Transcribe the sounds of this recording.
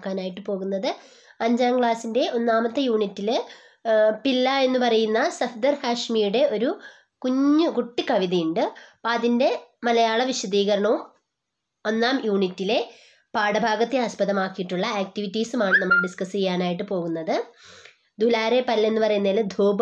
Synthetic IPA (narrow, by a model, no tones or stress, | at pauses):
kːaːnaːjiʈːɨpo̞ːɣunːɐðɨ | ɐɲd͡ʑaːmɡɭaːsinde̞ʔo̞nːaːmɐt̪ːejuːɳitːil | pilːae̞nːupɐrɐjunːɐsɐfd̪ɐrhaːʂmijuɽe̞o̞ɾu | kuɲːɨkuʈːikɐʋiðɐjuɳɖɨpaːðinde̞mɐlɐjaːɭɐʋiɕɐd̪iːɣɐɾɐɳɐʋum | o̞nːaːmjuːɳitːile̞ | paːɽɐbʱaːɡɐt̪ːeɐspɐðɐmaːkːijiʈːuɭːɐeːk̚tiʋitːiːsumaːɳɨnɐmːɐɭɖiskɐsiɣɐjaːnaːjiʈːɨpo̞ːɣunːɐðɨ | d̪ʱulaːɾe̞pɐlːe̞nːɨpɐrɐjunːald̪ʱoːb